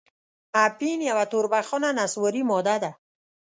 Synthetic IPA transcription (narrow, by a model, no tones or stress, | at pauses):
apinijawat̪uɾbaχɔnanaswɔɾimɔd̪ad̪a